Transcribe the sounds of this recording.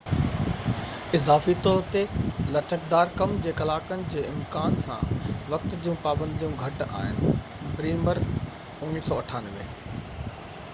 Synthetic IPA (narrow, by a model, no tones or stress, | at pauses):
ɪzaːfit̪ɔːɾt̪elɐt͡ɕəkd̪aːɾkɐmd͡ʑeːkɐlaːkənɪ̆d͡ʑeːɪmkaːnsã̰ːʋɐk̚t̪d͡ʑũpaːbə̃nd̪ijũɡʱɐʈa̰ːɦɪnɪ̆ | bɾiːməɾ | ʊnnisɔːɐʈʰaːnʋḛː